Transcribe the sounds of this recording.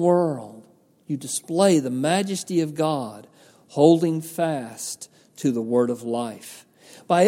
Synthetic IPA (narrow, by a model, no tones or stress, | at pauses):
wɜ˞lˠd̥ | jɨdɨspleɪðɨmæd͡ʒɨstiʌvɡɑd̥ | hoʊlˠdɪ̃ŋfæstʰ | ɨðəwɜ˞ɾʌvlaɪf | b̥aɪ